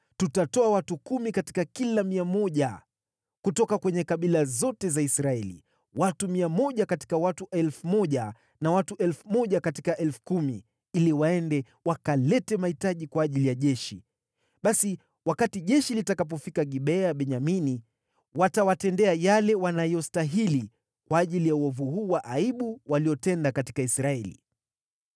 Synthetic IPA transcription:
tutatɔawatukumikati̥kakilamiamɔʄa | kutɔkakwɛɲɛkaɓilazɔtɛzaisɾaɛlḭ | watumiamɔʄakati̥kawatuʔɛlfumɔʄa | nawatuʔɛlfumɔʄakatikaʔɛlfu̥kumḭ | iliwaɛndɛ | wakalɛtɛmahitaʄikwaːʄilijaʄɛʃi | ɓasi | wakatiʄɛʃilitakap̬ɔfikaɠiɓɛaɓɛɲamini | watawatɛndɛajalɛwanajɔstaɦili | kwaːʄilijauɔvuhuːwaʔaiɓuwaliɔtɛndakati̥kaisɾaɛlḭ

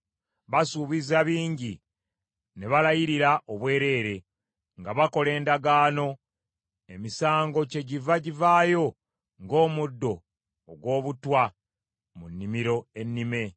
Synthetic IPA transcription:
βasuβizaβiːɲɟi | ne̞βalajiɾiɾaʔoβwe̞ːɾe̞ːɾe̞ | ŋɡaβako̞le̞ːndaɡaːno̞ | e̞misaːŋɡo̞ce̞ɟivaɟivaːjo̞ | ŋɡo̞ːmudːo̞ː | ɡwo̞ːβutwa | munːimiɾo̞e̞nːime̞

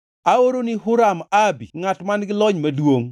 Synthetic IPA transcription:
aoɾonɪɦʊɾamabiŋatmanɡɪlɔɲmadwoŋ

